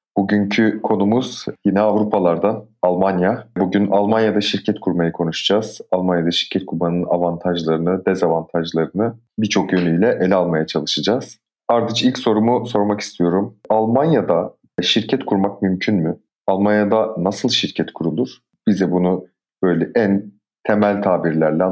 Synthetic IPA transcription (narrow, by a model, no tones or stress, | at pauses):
b̥uɟyɲcʰykʰo̞numuz̥jinɛavɾupʰalˠaɾd̪analˠmanjabuɟynalˠmanjad̪aʃiɾcʰɛt̪kʰuɾmajɯkʰo̞nuʃḁd͡ʒaːz̥alˠmanjad̪aʃiɾ̥cʰɛt̪̚kʰuɾbanɯna̰vant̪ʰaʒlˠaɾɯnɯd̪ɛzavant̪ʰaʒlˠaɾɯnɯ | bit͡ʃʰo̞kjø̞nyjlʲɛʔelʲɛalˠmajat͡ʃʰalˠɯʃɯd͡ʒaz̥ | aɾd̪ɯt͡ʃilʲcso̞ɾumuso̞ɾmaki̥st̪ʰijo̞ɾumalˠmanjad̪a | ʃiɾcʰɛt̪kʰuɾmak̚mymcʰynmy | alˠmanjad̪anasɯlˠʃiɾcʰɛt̪kʰuɾulˠuɾ̥ | b̥izɛbunu | b̥ø̞jlʲɛʔæn | t̪ʰe̞mælʲt̪ʰaːbiɾlʲæɾlʲɛ